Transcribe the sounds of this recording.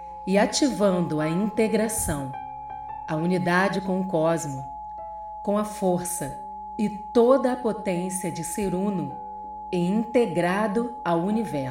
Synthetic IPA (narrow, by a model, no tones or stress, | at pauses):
ɪat͡ʃivɐ̃nd̪ʊɐĩnt̪eɡɾasɐ̃w̃ | ɐunid̪ad͡ʒɪkõʊkɔzmʊ | kõw̃ɐfoɾsɐ | ɪt̪od̪ɐːpot̪ẽsiɐd͡ʒɪseɾũnʊ | ɛĩnt̪eɡɾad̪ʊawunivɛɾ